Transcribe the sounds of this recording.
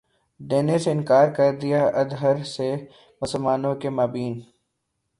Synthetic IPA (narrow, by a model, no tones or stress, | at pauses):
d̪eːneseɪ̃nkaːɾkɐɾd̪ɪjaʔɐd̪ɦəɾse | mʊsəlmaːnõkemaːbiːn